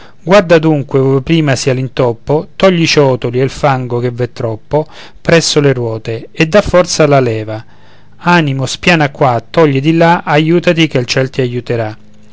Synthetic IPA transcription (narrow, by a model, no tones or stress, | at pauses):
ɡward̪ad̪uŋkwepɾiːmasialint̪ɔpːot̪ɔʎːit͡ʃɔːt̪olielfaŋɡok̟evːɛt̪ːɾɔpːo | pɾɛsːoleɾwɔːt̪eed̪ːafːɔrt̪salalɛːva | aːnimospjaːnakːwat̪ːɔʎːid̪ilaʔajuːt̪at̪ik̟elt͡ʃɛlt̪iajut̪eɾa